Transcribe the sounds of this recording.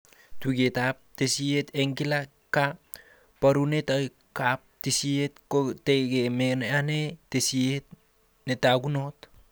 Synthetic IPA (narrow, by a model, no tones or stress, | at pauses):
tuɡetap̚tesieteŋkila | kap | pːaɾunetaj | kap̚tisietkoteɡemeneanetesiet̚ | netaɡunot